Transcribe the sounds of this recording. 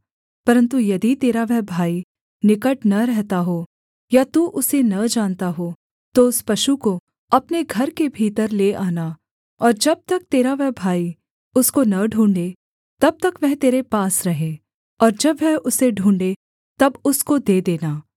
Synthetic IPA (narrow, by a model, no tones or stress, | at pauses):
pɐɾə̃nt̪ujɐd̪it̪eːɾaʋɛɦbʱaːi | nɪkəʈnɐɾɛɦt̪aɦo | jat̪uʔʊsenɐd͡ʒaːnt̪aɦo | t̪oʊspɐʃuko | ɐpneɡʱɐɾkebʱiːt̪əɾleʔaːna | ɔːɾd͡ʒɐb̚t̪ɐk̚t̪eːɾaʋɛɦbʱaːi | ʊskonɐɖʱũːɳɖe | t̪ɐb̚t̪ɐkʋɛɦt̪eːɾepaːsɾɐɦẽː | ɔːɾd͡ʒɐbʋɛɦʊseɖʱũːɳɖe | t̪ɐbʊskod̪eːd̪eːnaː